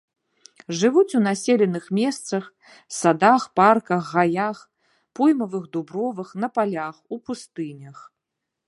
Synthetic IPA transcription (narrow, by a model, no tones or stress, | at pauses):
ʐɨvut͡sʲun̪asʲelʲɛnɨxmʲɛst̪sɐx | sad̪axparkɐɣɣajax | pujmɐvɨɣd̪ubɾɔvɐxnɐpalʲaxupust̪ɨnʲɐx